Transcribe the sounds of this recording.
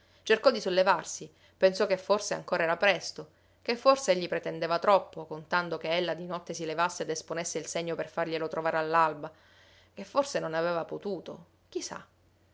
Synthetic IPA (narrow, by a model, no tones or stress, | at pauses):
t͡ʃerkɔd̪isolːevarsi | pensɔkefːorsea̰ŋkoːɾaɛːɾapɾɛst̪o | kefːorseɛʎːipɾet̪end̪evat̪ɾɔpːokont̪and̪okeɛlːad̪inɔt̪ːesilevasːeed̪esponesːeilseɲːoperfarʎelot̪ɾovaːɾealːalba | k̟efːorsenonaveːvapot̪uːt̪o̰ | k̟isa̰